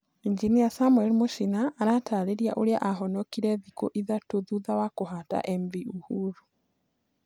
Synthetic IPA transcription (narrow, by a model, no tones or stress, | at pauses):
iɲd͡ʒinijasamwɛlimoʃinaːɾataɾeɾjaʔoɾjaʔaɦɔnɔkiɾeðiko̰ʔiðatoðuðawakoɦata̰ʔemviuhuɾu